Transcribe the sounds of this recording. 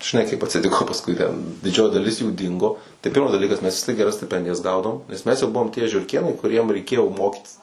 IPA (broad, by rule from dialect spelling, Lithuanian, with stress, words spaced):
ʒʲɪˈnɐɪ kɐɪp ɐtʲsʲɪˈtʲɪkoː pɐsˈkʊɪ tʲɛn dʲɪˈd͡ʒʲoːjɪ dɐˈlʲɪs juː ˈdʲɪŋɡoː tɐɪ ˈpʲɪrmɐs dɐˈlʲiːkɐs mʲɛs ʋʲɪs tʲiɛk ɡʲɛˈrɐs sʲtʲɪˈpʲɛnʲdʲɪjɛs ˈɡɐʊdɐʋoːm nʲɛs ˈmʲɛs jɛʊ ˈbʊʋoːm tʲiɛ ʒʲʊrʲˈkʲeːnɐɪ kʊˈrʲiɛm rʲɛɪˈkʲeːjoː ˈmoːkʲiːtʲɪs